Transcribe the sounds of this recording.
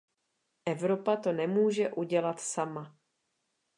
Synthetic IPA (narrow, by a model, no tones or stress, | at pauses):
ʔɛvɾo̞pat̪o̞nɛmuːʒɛʔuɟɛlat̪sama